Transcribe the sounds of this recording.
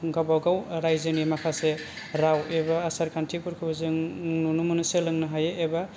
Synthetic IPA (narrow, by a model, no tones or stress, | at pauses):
ɡabawɡawɾajzɯŋimakʰase | ɾawebaːsaɾkʰantʰikuɾkʰɯbazɯŋnunumunɯselɯŋnɯɦajeʔeba